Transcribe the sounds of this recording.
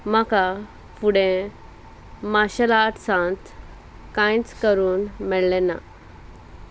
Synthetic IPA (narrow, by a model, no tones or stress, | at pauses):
maka | fuɽẽ | maɕəlaʈʰsãnt̪ | kãjt͡skəɾuːnmɛɭlena̰